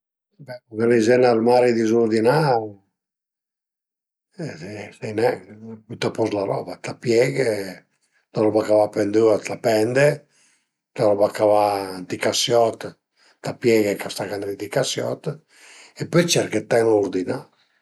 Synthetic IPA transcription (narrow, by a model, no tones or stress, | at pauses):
bɛkukalezɛnaɾmaɾid̪izuɾd̪ina | sɛjnɛpyt̪apɔzlaɾɔ̰bat̪apjɛɡe | laɾɔbakavapend̪uat̪apɛnd̪e | laɾɔbakavat̪ikasjɔt̪ | t̪apjɛɡekast̪akand̪ɾit̪ikasjɔ̰t̪ | epːøjt͡ʃɛɾket̪ːɛnuɾd̪ina